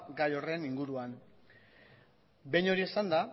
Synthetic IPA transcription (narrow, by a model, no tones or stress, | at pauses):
ɡajo̞re̞niŋɡuɾuan | be̞ɲo̞ɾiesand̪a